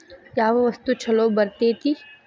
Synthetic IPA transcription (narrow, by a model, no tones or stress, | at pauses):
jaːʋɐʋɐst̪ut͡ʃʰɐlobɐɾt̪eːt̪ʰi